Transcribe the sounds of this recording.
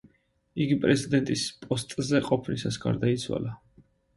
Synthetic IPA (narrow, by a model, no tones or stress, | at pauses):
iɡipʼɾɛzid̪ɛnt̪ʼispʼɔst̪ʼzɛqʼɔpʰnisasɡa̰ɾd̪ait̪sʰwa̰la